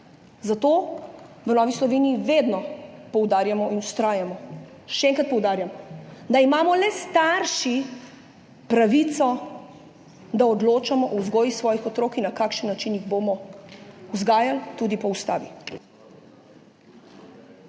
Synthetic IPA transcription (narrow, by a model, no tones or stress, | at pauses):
zat̪oːʋənɔːʋislɔʋeːnijːʋed̪nɔpɔwd̪aːɾjamɔʔinust̪ɾaːjamɔ | ʃɛɛŋkɾat̪̚pɔwd̪aːɾjamd̪aimaːmɔlɛst̪aɾʃi | pɾaʋit̪sɔ | d̪aɔd̪loːt͡ʃamɔʔɔwzɡɔːjixsʋɔːjixɔt̪ɾoːkinːakaːkʃənːat͡ʃinjiɣboːmɔ | uzɡaːjalt̪ud̪ipɔust̪a̰ːʋi